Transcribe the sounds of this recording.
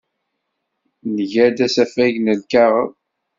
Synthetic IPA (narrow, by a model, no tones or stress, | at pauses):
nəʝæd̪æsæfæʝnælkæʁə